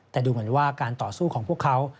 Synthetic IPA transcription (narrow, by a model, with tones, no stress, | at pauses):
t̪ɛː˨˩duː˧mɯ˩˦ənwaː˥˩kaː˧nt̪ɔː˨˩suː˥˩kʰɔː˩˦pʰu˥˩əkʰːa˦˥w